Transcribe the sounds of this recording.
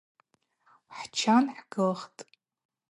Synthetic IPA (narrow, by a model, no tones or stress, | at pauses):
wħt͡ʃʰanħɡɨlχtʼ